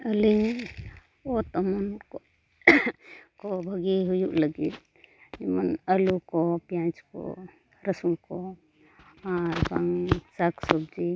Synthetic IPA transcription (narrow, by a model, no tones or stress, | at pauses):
əliɲ | ɔt̪ɔmɔnkɔ | kɔbʱəɡiɦujuʔləɡit̪̚ | d͡ʒimanəlukɔpjãnt͡ʃkɔ̰ | ɾəsuŋkɔ | aɾbaŋsaksɔb̚d͡ʒi